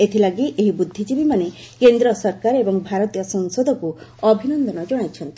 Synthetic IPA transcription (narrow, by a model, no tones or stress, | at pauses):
et̪ʰilaɡiʔeɦibud̪ʱːid͡ʒibimane | kend̪ɾɔsɔɾkaɾebɔŋbʱaɾɔt̪ijɔsɔŋsod̪ʱɔkuɔbʱinɔnd̪ɔnɔd͡ʒɔɽ̃ajt͡ʃʰɔnt̪i